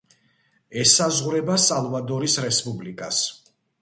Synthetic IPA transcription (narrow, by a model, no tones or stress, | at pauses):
ɛsazʁɾɛbasalˠvad̪ɔɾisɾɛspʼublikʼas